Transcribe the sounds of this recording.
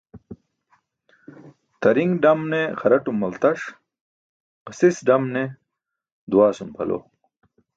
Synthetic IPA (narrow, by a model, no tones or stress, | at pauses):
t̪ɐɾiŋɡɖɐmneχɐɾɐʈumɐlt̪ɐʂ | qɐsisɖɐmne | d̪uwaːsumpʰɐ̰lo̰ː